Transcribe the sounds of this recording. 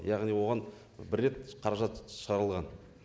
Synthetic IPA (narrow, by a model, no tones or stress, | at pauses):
jɑʁnijwo̞ʁɑn | bɪɾːe̞t̪qʰɑɾɑʒɑt̪ʃəʁɑɾəlˠʁɑn